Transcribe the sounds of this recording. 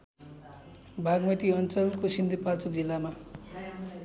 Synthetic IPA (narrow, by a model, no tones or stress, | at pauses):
bʱaɡmʌt̪iʌnt͡sʌlkosind̪ʱipat͡sʌkd͡zilːama